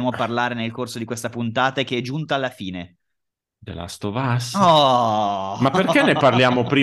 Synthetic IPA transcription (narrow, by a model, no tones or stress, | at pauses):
moparlaːɾenelkorsod̪ikwest̪apunt̪aːt̪aek̟eɛd͡ʒunt̪aːlːafiːne | d̪ḛla̰st̪ovasɔ | mapːerkenːeparljaːmopɾiː